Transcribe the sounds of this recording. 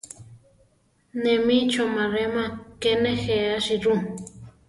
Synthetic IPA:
nemit͡ʃomaɾemãkenexeaʃiɾu

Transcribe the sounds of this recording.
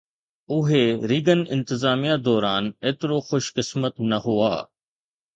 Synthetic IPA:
ʊɦeɾiːɡənɪ̰̃nt̪ɪzaːmijad̪ɔːɾaːneːt̪ɪɾoxʊʃkɪsmət̪nɐɦʊa̰ː

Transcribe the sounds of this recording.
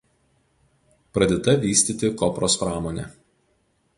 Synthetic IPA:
pɾɐd̪ʲeːt̪ɐʋʲiːsʲt̪ʲit̪ʲɪkɔpɾospɾɑːmoːnʲɛ̰ˑ

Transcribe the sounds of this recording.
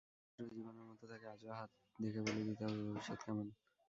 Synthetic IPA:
ɾod͡ʑiboneɾmɔt̪ot̪ʰakead͡ʑoaɦat̪̚ | d̪ekʰebolebit̪aoobiʃad̪̚kʰaman

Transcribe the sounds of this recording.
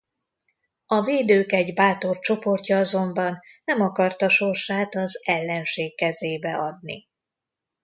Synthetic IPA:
ɒveːd̪øːkɛɟbaːt̪o̞rt͡ʃo̞po̞rcɒɒzo̞mbɒnːɛmɒkɒrt̪ɒʃo̞rʃaːt̪ɒzɛlːɛnʃeːkːɛzeːbɛʔɒd̪̚nḭ

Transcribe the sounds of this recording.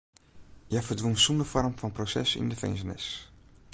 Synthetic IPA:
jafəɹdʋonsundəfɔrmfɑnprosɛ̰sɪ̰ndəfɛ̰jnzənɛ̰s

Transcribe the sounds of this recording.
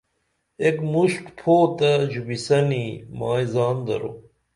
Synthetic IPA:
ekmuʂʈpʰoːt̪ɐd͡ʑubisɐnimaːizaːnd̪ɐ̰ɾo̰

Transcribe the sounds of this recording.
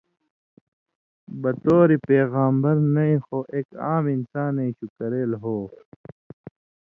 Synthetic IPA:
bɐt̪oːɾipeːɣaːmbɐɾnɐĩxoʔeːkaːminsaːnẽiɕukɐɾeːlɦoː

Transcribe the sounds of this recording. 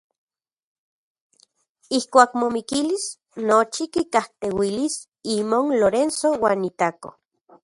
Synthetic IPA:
ihkʷaːkmomikilis | not͡ʃikikaht̪ewilis | imonloɾensowaːnit̪ako̰

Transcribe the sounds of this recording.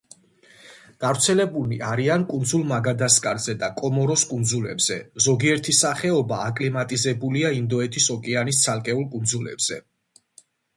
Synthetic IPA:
ɡ̥avɾt̪sʰɛlɛbuliaɾiankʼund̪zulˠmaɡad̪askʼaɾzɛd̪akʼɔmɔɾɔskʼund̪zulɛbz̥ɛzɔɡiɛɾt̪ʰisaχɛɔbaːkʼlimat̪ʼizɛbuliaind̪ɔɛt̪ʰisɔkʼɛanist̪sʰalˠkʼɛulˠkʼund̪zulɛ̰bz̥ɛ

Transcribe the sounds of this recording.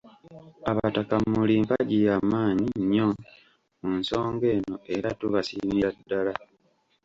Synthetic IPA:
aβatakamuliːmpaɟijaːmaːɲiɲːo | munso̞ːŋɡe̞ːno̞eɾatuβasimiɾadːala

